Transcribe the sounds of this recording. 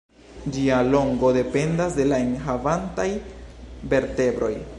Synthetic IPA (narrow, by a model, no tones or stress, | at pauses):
d͡ʒialo̞ŋɡo̞de̞pe̞ndasde̞laenɦavantaj | be̞ɾte̞bɾo̞j